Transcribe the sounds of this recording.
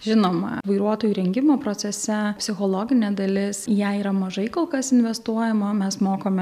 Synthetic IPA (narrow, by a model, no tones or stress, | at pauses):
ʒʲɪnoːmɐ̰ʋɐɪɾuɔt̪oːjuːɾʲɛŋʲɡʲɪmoːpɾoːsʲɛsʲɛpʲsʲɪxoːlˠoːɡʲɪnʲeːd̪ɐlʲɪsjæiːɾɐmɐʒɐɪkolˠkɐsɪnʲʋʲɛst̪uɔjɛmɐmʲɛsmoːkoːmʲɛ